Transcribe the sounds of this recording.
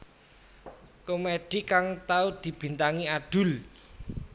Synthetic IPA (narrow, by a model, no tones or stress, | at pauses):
komed̪̥i̤kaŋt̪aud̪̥i̤b̥i̤nt̪aŋiad̪̥ʊ̤l